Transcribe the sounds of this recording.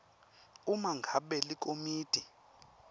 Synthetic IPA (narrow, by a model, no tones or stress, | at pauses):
umaŋɡʱaɓɛlik̬ʼomiːd̥ʱi